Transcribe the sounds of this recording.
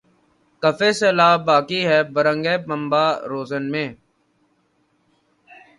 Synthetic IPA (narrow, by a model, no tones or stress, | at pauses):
kəfeːseːlaːbaːkiːɦɛːbəɾə̃ŋɡɛːpəmbaːɾoːzənmẽː